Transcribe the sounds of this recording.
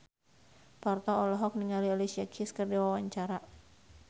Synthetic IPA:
pɔrt̪ɔɔlɔɦɔk̚niŋaliɔlisiakʰiskɨrdiwawaɲt͡ʃaɾa

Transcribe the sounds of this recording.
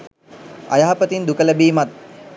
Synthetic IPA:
a̰jaːapət̪ind̪ukələbiːmat̪̚

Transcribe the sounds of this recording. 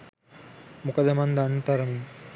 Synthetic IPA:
mukɐd̪ɐmɐnd̪ɐnt̪ɐɾɐmi

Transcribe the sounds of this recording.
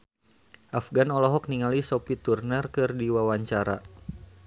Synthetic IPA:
ʔafɡanɔlɔɦɔk̚niŋalisɔpit̪urnərkɨrdiwawaɲt͡ʃaɾa̰

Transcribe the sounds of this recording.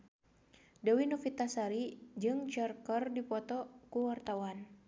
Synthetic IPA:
dawinɔfit̪asaɾid͡ʒɨŋt͡ʃarkərdipɔt̪ɔkuwart̪awan

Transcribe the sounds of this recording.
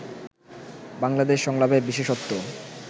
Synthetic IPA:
baŋlad̪eʃːɔŋlabebiʃeʃot̪ːo

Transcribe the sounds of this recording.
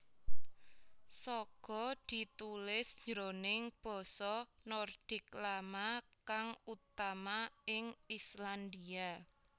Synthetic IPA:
sɔɡ̥ɔ̤d̪̥i̤t̪ulɪsd͡ʒɾonɪŋb̥ɔ̤sɔnɔrd̪̥ɪ̤k̚lamakaŋut̪amaɪŋisland̪ia

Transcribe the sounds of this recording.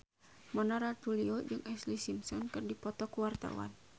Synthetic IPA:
mɔnɔɾauliod͡ʒɨŋʔɛslisimsɔnkɨrdipɔt̪ɔkuwart̪a̰wa̰n

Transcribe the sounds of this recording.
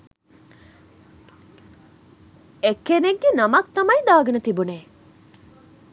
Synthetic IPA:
ekːeneɡːenɐmɐk̚t̪ɐmɐjd̪aːɡɐnɐt̪ibuneː

